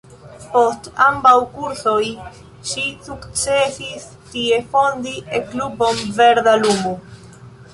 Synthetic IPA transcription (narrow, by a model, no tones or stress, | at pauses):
po̞stambawkuɾso̞j | ʃisukt͡sesis | tie̞fo̞ndieklubo̞mve̞ɾdalumu